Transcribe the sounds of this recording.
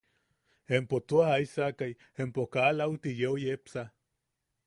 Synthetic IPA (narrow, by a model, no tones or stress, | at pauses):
empot͡s̪oahaisakaj | empokalawt̪ijeojepsa